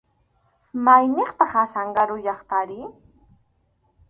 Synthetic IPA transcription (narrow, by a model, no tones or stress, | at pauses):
majneχt̪ɑχasaɴɢaɾʊjɑχt̪aɾɪ